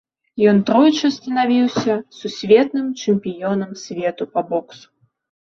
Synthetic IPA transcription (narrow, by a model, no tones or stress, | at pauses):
jɔnt̪ɾɔjt͡ʂɨst̪ɐnavʲiwsʲɐsusʲvʲɛt̪̚nɨmt͡ʂɨmʲpʲijɔnɐmsʲvʲɛt̪upɐbɔksu̥